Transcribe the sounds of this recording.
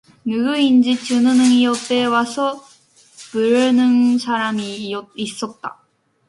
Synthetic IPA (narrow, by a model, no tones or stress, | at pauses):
nɯɡɯiɲd͡ʑit͡ɕɨnɯnɯŋijot̪ːe̞βaso | b̥ɯɾɯnɯŋɕaɾanioisːot̪ːa̰